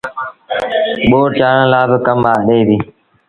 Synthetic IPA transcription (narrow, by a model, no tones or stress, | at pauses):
ɓoːɾt͡ʃaːɳə̃laːbɪkəmaːɗeːʋiː